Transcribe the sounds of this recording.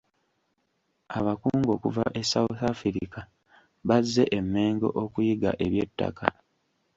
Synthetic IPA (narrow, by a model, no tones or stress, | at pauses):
aβakuːŋɡo̞ːkuva̰ʔe̞sauθafiɾika | βazːe̞ʔemːe̞ːŋɡo̞̰ʔokujiɡa̰ʔe̞βje̞tːa̰ka̰